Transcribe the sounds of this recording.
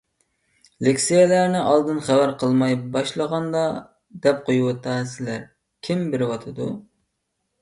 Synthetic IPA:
lekʲsejelæɾnɪʔɑlˠd̪ɨnχæwæɾqʰəlˠmɑjbɑʃlˠəʁɑnd̪ɑ | d̪ɛp̚qʰojuwɑt̪ʰɑsɪlæɾ | kʲʰimbɪɾɪwɑt̪ʰɨd̪u

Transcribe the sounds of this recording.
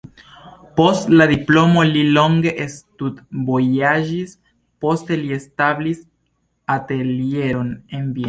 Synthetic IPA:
po̞stladiplo̞mo̞lilo̞ŋɡe̞ʔestutbo̞jad͡ʒis | po̞ste̞lie̞stablis | ate̞lie̞ɾo̞ne̞nbi

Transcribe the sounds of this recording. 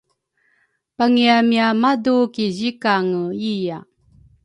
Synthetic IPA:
paŋiamiamadukiʑikaŋəija

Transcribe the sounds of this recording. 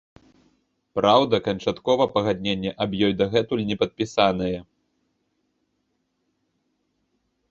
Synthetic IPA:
pɾawd̪ɐkɐnt͡ʂat̪kɔvɐpɐɣad̪ʲnʲenʲːɛʔɐbjɔjd̪ɐɣɛt̪ulʲnʲɛpɐt̪̚pʲisan̪ɐjɛ

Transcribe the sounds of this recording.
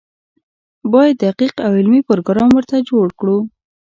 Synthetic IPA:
bɑjad̪ːəaqiqawɪlmipəɾɡɾɑmwəɾt̪ad͡ʒoɽkɽu

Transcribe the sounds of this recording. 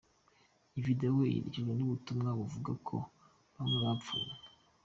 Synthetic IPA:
ivideowejḭɾḭt͡ʃiɡenuβutumŋaβuvuɡakʰo̰ | βamweβap͡fṵna

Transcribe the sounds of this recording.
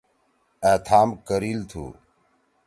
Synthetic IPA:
eːt̪ʰaːmkəɾiːlt̪ʰṵː

